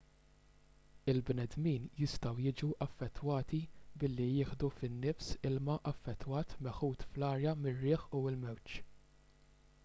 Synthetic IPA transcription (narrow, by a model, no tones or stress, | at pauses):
ɪlbnɛd̪miːnjɪst̪ɐwjɪd͡ʒuʔɐfːɛt̪ːwɐːt̪ibɪlːijɪːħd̪ufɪnːɪfsɪlmɐʔɐfːɛt̪ːwɐːt̪mɛħuːt̪flɐːɾjɐmɪrːɪːħuɪlmɛwt͡ʃ